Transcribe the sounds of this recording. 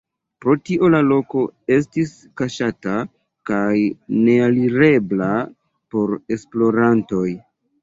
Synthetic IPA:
pɾo̞tiʔo̞lalo̞ko̞e̞s̬tis | kaʃata | kajne̞aliɾe̞bla | po̞ɾe̞splo̞ɾanto̞j

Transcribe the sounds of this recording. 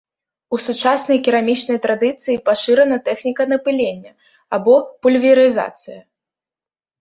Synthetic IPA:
usut͡ʂasnɐjkʲiɾamʲit͡ʂnɐjt̪ɾad̪ɨt̪sɨjipaʂɨɾɛnɐt̪ɛxnʲikɐnɐpɨlʲenʲːɐ | abɔpulʲvʲiɾɨza̰t̪sɨjɐ

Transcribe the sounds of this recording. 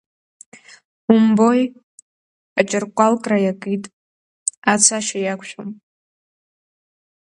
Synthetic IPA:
umbo̞j | at͡ʃʼɨrkʷʼalkʼrajakʼɨjtʼ | at͡sʰaʃajakʷʰʃʷᶣom

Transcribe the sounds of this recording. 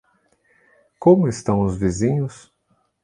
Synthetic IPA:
kõmʊɪst̪ɐ̃w̃ʊzvizĩɲʊs

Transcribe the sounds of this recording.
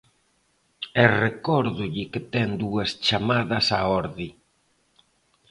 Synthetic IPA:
erekɔɾðʊʎɪkɪt̪ɛŋd̪uɐst͡ʃamaðɐsaɔɾði

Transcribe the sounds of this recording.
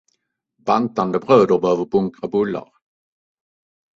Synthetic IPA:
bant̪and̪əbɾøːd̪əɾbɛhœːvəɾbɵŋkɾabɵlːa̰ɾ

